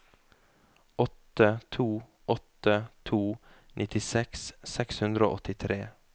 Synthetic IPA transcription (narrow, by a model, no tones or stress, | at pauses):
ɔt̪ət̪ʰuː | ʔɔt̪ət̪ʰuːnʔɪt̪ɪsɛkssɛkshʉnd̪ɾəo̰ːʔɔt̪ɪt̪ʰɾeː